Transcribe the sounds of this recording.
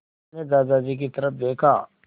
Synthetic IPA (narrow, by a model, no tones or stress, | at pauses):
ned̪aːzad͡ʒik̬it̪ɐɾəpd̪eːkʰaː